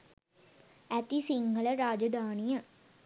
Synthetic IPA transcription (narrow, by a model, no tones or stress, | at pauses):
æt̪isiŋɡʱələɾaːd͡ʒəd̪aːnijə